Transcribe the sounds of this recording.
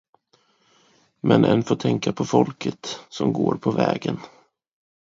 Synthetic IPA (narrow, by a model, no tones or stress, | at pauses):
mʔɛnʔɛnfoːʈʰɛŋkapʰɔfɔlkʰət̪sɔmɡoːɾpʰɔvɛːɡən